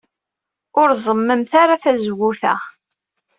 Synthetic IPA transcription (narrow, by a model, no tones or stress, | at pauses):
ʊɾzˤəmːəmθaɾaθæzwuθæ̰